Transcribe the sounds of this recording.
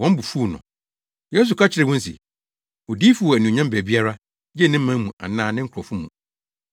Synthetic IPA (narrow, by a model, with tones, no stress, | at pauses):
wɔ̃˦m˦bu˨fuː˦˨nɔ̰̃˨ | jɛ˦s̬u˨kʰa˦t͡ɕʰɪ˦ɾɛ˨wɔ̃˦n˦sḭ˨ | o˨diː˦fu˨˦wɔ˨æ˨nũ˨ɲã˦m˦bæ˨bi˦a˦ɾa˦ | d͡ʑɛ˦˨nɪ̃˦m̩˦mã˦mũ˨ʔa̰˨nãː˦˨nɪ̃˦kʰʊ˨ɾɔ˨fʊ˦mṵ̃˨